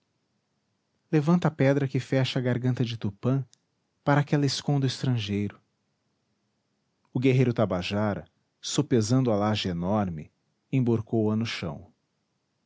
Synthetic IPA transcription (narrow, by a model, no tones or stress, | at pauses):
levɐ̃nt̪ɐapɛd̪ɾɐkɪfɛʃɐːɡaɾɡɐ̃nt̪ɐd͡ʒɪt̪upɐ̃ | paɾaːkɛlɐɪskõnd̪ʊist̪ɾɐ̃ʒejɾʊ | ʊɡeɦejɾʊt̪abaʒaɾɐ̰ | sopezɐ̃nd̪ʊalaʒɪenɔɾmɪ | ẽboɾkowɐnʊʃɐ̰̃w̃